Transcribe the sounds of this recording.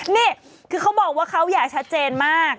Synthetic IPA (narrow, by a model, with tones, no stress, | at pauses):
niː˥˩ | kʰɯː˧kʰa˦˥wbɔː˨˩k̚waː˥˩kʰa˦˥wjaː˨˩k̚t͡ɕʰa˦˥t̪̚t͡ɕeː˧nmaː˥˩k̚